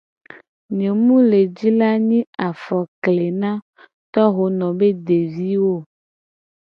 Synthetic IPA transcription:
ɲẽ˨mũ˦le˨d͡ʑi˦la˦ɲĩ˦a˨fɔ˨kle˨nã˦ | t̪ɔ˦ɦo˨nɔ̃˨be˦de˨vi˦wo˦

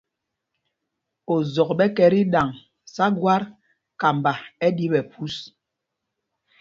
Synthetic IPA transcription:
o˨zɔ˨k̚ɓɛ˦kɛ˨ɾi˦ɗa˨ŋ | sa˦ɡwa˦ɾ | ka˨m˨ba˨ɛ˦di˦ɓɛ˨pu˦s

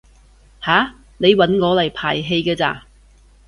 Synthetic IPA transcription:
haː˨˥ | ne˨˧jwɐ˨˥nŋɔː˨˧lɐ˨˩jpʰaː˨˩jɦe˧jɡɛː˧t͡sa̰ː˧

